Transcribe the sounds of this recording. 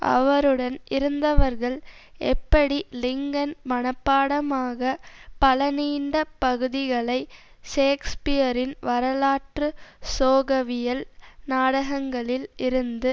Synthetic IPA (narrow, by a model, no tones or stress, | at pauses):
ʔɐ̰ʋɐɾɯɽɐnɪɾɯnd̪ɐʋɐɾɣɐɭɛpːɐɽilɪŋɡɐnmɐɳɐpːaːɽɐmaːɣɐpɐlɐniːɳɖɐpɐɣɯðɪɣɐɭɐɪ | ʂeːkspɪjɐɾɪnʋɐɾɐlaːʈrɯsoːɣɐʋɪjɐlnaːɽɐɣɐŋɡɐɭɪlɪɾɯnd̪ɯ